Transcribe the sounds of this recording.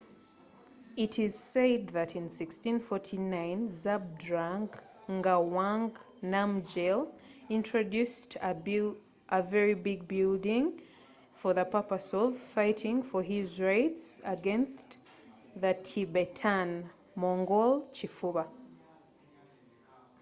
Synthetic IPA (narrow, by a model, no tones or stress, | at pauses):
ɪɾɪz̥sed̪̚ðɨɾɨ̃nsɪkstĩnfɔɹtʰinãɪ̃nzab̚dɹãŋɡ | ŋɡawãŋɡ | namd͡ʒelɪ̃ntɹ̥ɨdʉstʰ | ʔəvɛɹibɪɡ̚bɪlˠdɪ̃ŋ | fə˞ðəpɜpəsɔv̥faɪtɪ̃ŋfə˞ɪzɹaɪtsəɡɛ̃nst | ðɨtʰibɛtʰãn | mɔ̃ŋɡɔlˠt͡ʃifuba